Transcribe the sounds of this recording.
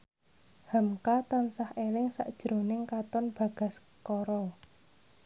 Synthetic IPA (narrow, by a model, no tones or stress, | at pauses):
hamkat̪ansahelɪŋsa̰ʔd̥ʒ̥ɾo̤nɪŋkat̪ɔnb̥ä̤ɡ̥ä̤s | kɔɾɔ